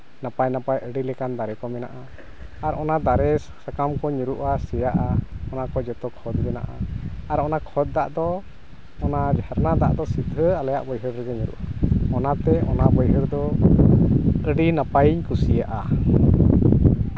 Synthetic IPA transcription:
napajnapajʔəɖilɛkand̪aɾɛkɔmɛnaʔaː | ɾɔnad̪aɾɛ | sakamkɔɲuɾuʔasɛjaʔaɔnakɔd͡ʒɛt̪ɔkʰɔd̪bɛna̰ʔa̰aɾɔnakʰɔd̪̚d̪aʔd̪ɔ | ɔnad͡ʒaɾnad̪a̰ʔd̪ɔsid̪ʱəalaja̰ʔbɔjɦəɾɾɛɡɛɲuɾṵʔaɔnat̪ɛɔnaʔbɔjɦəɾd̪ɔ | əɖinapajɲkusijaʔa

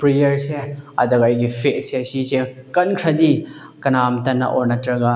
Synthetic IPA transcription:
pɾijɐɾseɐdɐkajɡipʰetseɐsisekɐnkʰɾɐdi | kɐnamtɐnːɐ̰ʔɔɹnɐtɾɐɡa

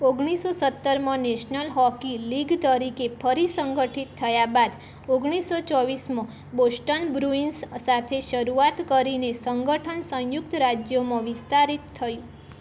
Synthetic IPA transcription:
oɡɽ̃isosət̪ːəɾmãneʃnəlɦɔkiliɡt̪əɾikepʰəɾisəŋɡəʈʰit̪ʰːəjabad̪ | oɡɽ̃isot͡ʃɔʋismã | bosʈənbɾuinsːat̪ʰeʃəɾuat̪kəɾinesəŋɡəʈʰənsə̃jʊkt̪ɾad͡ʒjomãʋɪst̪aɾit̪ʰːəjũ

